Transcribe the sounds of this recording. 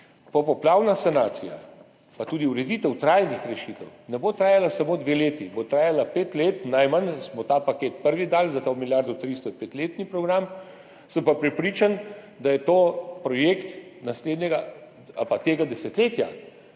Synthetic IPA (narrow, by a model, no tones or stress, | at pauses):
pɔpɔplaːwnasanaːt̪sija̰ | pat̪uːd̪iuɾɛd̪iːt̪ɛwt̪ɾajnixɾɛʃit̪ɛwnɛbot̪ɾaːjalasamoːd̪ʋeleːt̪ibot̪ɾaːjalapeːt̪leːt̪najmansmɔt̪aːpakeːt̪̚pəɾʋid̪aːlzat̪amilʲjaɾd̪ɔt̪ɾist̪ɔpet̪leːt̪nipɾɔɡɾam | səmpapɾɛpɾiːt͡ʃan | d̪ajɛt̪opɾɔjekt̪nasleːd̪nʲɛɡa | a̰lpat̪eːɡad̪ɛsɛt̪leːt̪ja